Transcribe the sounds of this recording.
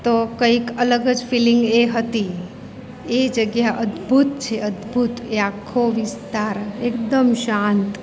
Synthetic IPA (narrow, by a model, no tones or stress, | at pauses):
t̪okəikələɡəd͡ʒfilɪ̃ŋɡeɦət̪i | ed͡ʒəɡjaʔəd̪bʱut̪t͡ʃʰeəd̪bʱut̪eakʰːoʋɪst̪aɾeːkd̪əmʃant̪